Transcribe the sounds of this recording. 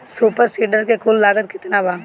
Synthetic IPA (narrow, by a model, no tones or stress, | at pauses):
suːpəɾsiːɖəɾkekʰʊlːaːɡət̪̚kɪt̪nabãː